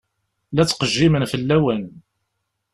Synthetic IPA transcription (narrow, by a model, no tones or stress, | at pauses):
læt͡sːqəʒːimənfəlːæwən